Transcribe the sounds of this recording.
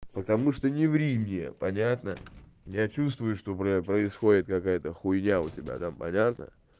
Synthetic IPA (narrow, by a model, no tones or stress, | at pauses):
pət̪ɐmuʂt̪onʲɪvɾʲimʲnʲɪjə̰pɐnʲat̪nəjat͡ɕust̪vʊjʊʂt̪o̞pəpɾəɪsxo̞dʲɪt̪̚kɐkajət̪əxʊjnʲaʊtʲɪbʲa̰t̪ampɐ̰nʲat̪nə̰